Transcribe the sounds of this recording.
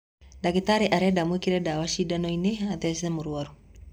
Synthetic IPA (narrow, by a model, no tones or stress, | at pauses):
dakitaɾeʔaɾɛdamwekiɾɛdawaʃidanɔinɛɦaðɛsɛmuɾuaɾu